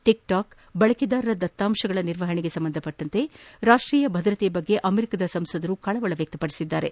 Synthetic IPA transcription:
ʈik̚ʈaːk | bɐɭɐkid̪aːɾɐɾɐd̪ɐt̪ːaːmʃɐɡɐɭɐniɾʋɐɦɐɳeɡe̞sɐmbɐnd̪ʱɐpɐʈːɐnt̪e̞ɾaːʂʈɾiːjɐbʱɐd̪ɾɐt̪ejbɐɡːe̞ʔɐmeɾikɐd̪ɐsɐmsɐd̪ɐɾukɐɭɐʋɐɭɐʋjɐk̚t̪ɐpɐɽisid̪ːaːɾe̞

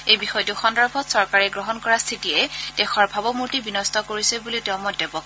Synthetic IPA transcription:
ejbixɔjɔtʊxɔndɔɹbʱɔtsɔɹkaɹɛɡɹɔɦɔnkɔɹast̪ʰitiɛd̥ɛxɔɹbʱabɔmuɹtibinɔstʰɔkoɹisɛbuliteʊ̃mɔdːɛbɔk

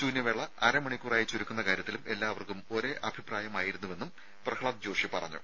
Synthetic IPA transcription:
duːnjɐʋeɭːɐɐɾɐmɐɳikʲːuraːjit͡ɕːuɾukʲːunːɐkaːɾjɐt̪ːilume̞lːaːʋɐrkumo̞ɾeʔɐbʱipraːjɐmaːjiɾunːuʋe̞nːum | prɐkʰɭɐt̪̚d͡ʑoːrʂipɐrɐ̰ɲːṵ

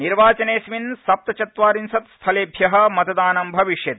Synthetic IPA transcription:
niɾʋaːt͡ʃɐneːsʋinsɐp̚t̪ɐt͡ʃɐt̪ʋaːɾinsɐt̪st̪ʰɐleːbʱjɐɦɐ̆mɐt̪ɐd̪aːnɐmbʱɐʋiʂjɐt̪

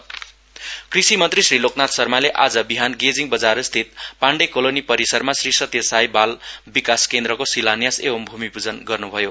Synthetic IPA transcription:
krisimʌnt̪risriloknat̪sʌrmaleʔad͡zʌbiɦanɡed͡ziŋbʌd͡zaɾst̪ʰit̪̚paɳɖekolonipʌɾisʌrmasrisʌt̪jʌsajbalbikaskend̪rʌkosilanjasebʌmbʱumipud͡zʌnɡʌrnubʱʌjo

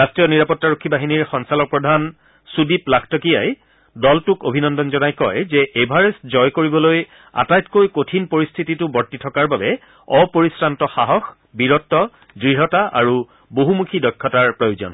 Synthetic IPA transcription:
astɹijɔniɹapɔtːaɹokʰːibaɦiniɹxɔŋsalɔk̚pɹɔdʱan | sudiplakʰtɔkijaj | dɔltʊkobʱinɔndɔnzɔnajkɔjzɛʔebʱaɹeszɔjkoɹibɔloj | a̰tajtkojkotʰinpoɹistʰititʊbɔɹtːitʰɔkaɹbabɛ | ɔpoɹisɹantɔxaɦɔx | biɹɔtːɔ | dɹiɦɔtaʔa̰ɹu | boɦumukʰidɔjkʰːɔtaɹpɹɔjozɔ̰n

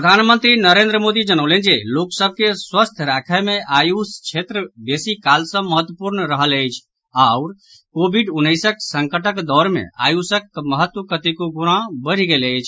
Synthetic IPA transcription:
pɾəd̪ʱanmənt̪ɾinəɾend̪ɾəmod̪id͡ʒənəʊlend͡ʒeloksəb̚ʱkeswəst̪ʰɾakʰəmeʔajust͡ʃʰet̪ɾəbesikalsə̃məɦət̪ːwəpuɾnəɾəɦələjt͡ʃʰ | aʊɾ | kobʱiɖunːəjsəksəŋkəʈəkd̪ɔɾmḛa̰jusəkməɦət̪wəkət̪ikoɡuɾãbəɾ̤iɡeləjt͡ʃʰ

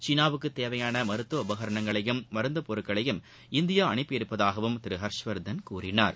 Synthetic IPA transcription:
t͡ʃiːnaːʋɯkːɯt̪ːeːʋɐjaːnɐmɐɾɯt̪ːʋɐʊbɐɣɐɾɐɳɐŋɡɐɭɐjɯmːɐɾɯnd̪ɐpɔɾɯkːɐɭɐjɯm | ɪnd̪ɪjaɐɳɪpːɯɪɾɯpːɐðaːɣɐʋɯmt̪ɪɾɯɦɐɾʂʋɐɾd̪ɐnkuːrɪna̰ːɾ

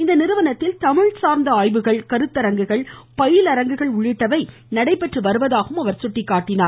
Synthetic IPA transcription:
ɪnd̪ɐnɪɾɯʋɐnɐt̪ːɪlt̪ɐmɪɻsaːɾnd̪ɐaːjʋɯɣɐɭkɐɾɯt̪ːɐɾɐŋɡɯɣɐɭpɐjɪlɐɾɐŋɡɯɣɐɭʊɻɪʈːɐʋɐɪ | nɐɽɐɪpːɛʈrɯʋɐɾɯʋɐðaːɣɯmɐʋɐɾsʊʈːɪkːaːʈːɪnaːɾ

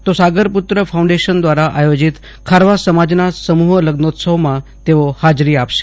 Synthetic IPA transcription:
t̪osaɡəɾput̪ɾəfʰaũɳɖeʃənd̪ʋaɾaʔajod͡ʒit̪ | kʰaɾʋasəmad͡ʒnasəmuɦələɡnot̪səʋmãt̪eohad͡ʒɾiapʃe̥

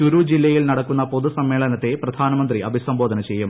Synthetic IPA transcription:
uɾuːd͡ʑilːɐjilnɐɽɐkːunːɐpo̞ðusɐmːe̞ːɭɐnɐt̪ːe̞prɐd̪ʱaːnɐmɐnd̪riʔɐbʱisɐmbo̞ːd̪ʱɐnɐt͡ɕe̞jːum

